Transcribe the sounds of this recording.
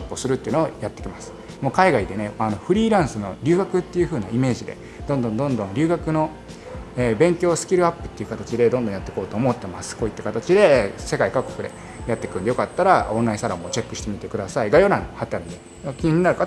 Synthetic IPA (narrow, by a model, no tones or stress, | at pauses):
pːɯosɨɾɯ̟t̪ːeiɯ̟nojat̪ːe̞kʲimasɨ̥ | mo̞ːkaiɡaid̪e̞ne̞ano̞ɸɯ̟ɾʲiːɾãɰ̃sɨno̞̰ɾʲɨ̟ːɡakɯ̟t̪ːe̞jɯ̟ɸɯ̟ːnaime̞ːʑid̪e̞̰ | d̪̥õnd̪õnd̪õ̞nd̪õ̞nɾʲɨ̟ːɡakɯ̟no̞ | eːbẽ̞ŋkʲo̞ːsɨ̥kʲiɾɯ̟apːɯ̟̥t̪ːe̞iɯ̟kat̪at͡ɕid̪e̞d̪õ̞nd̪õjat̪ːe̞ko̞ːt̪o̞ːmo̞t̪ːe̞masɨ̥ko̞it̪ːe̞kat̪at͡ɕid̪e̞se̞kaikakːo̞kɯ̟d̪e̞̰ | jat̪ːe̞kɯ̟nd̪ejo̞kat̪ːaɾaõ̞nːaisaɾamo̞ːt͡ɕe̞kːɯ̟ɕi̥t̪e̞mʲit̪e̞kɯ̟d̪asaiɡajo̞ɾãŋhat̪ːaɾɯne | kʲiɲĩɲːinaɾɯ̟ka